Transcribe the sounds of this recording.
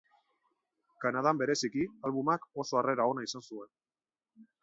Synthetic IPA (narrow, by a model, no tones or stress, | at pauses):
kanað̞ambe̞ɾe̞sikialβumako̞so̞are̞ɾao̞naisansue̞n